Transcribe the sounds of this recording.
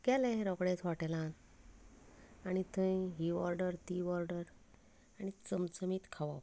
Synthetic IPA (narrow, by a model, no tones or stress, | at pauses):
kɛlɛ̃ɾɔɡɽẽt͡sʋaʈelãn | añit̪ʰə̃jɦiʋɔɾɖəɾt̪iʋɔɾɖəɾ | añit͡səmt͡səmit̪kʰaʋa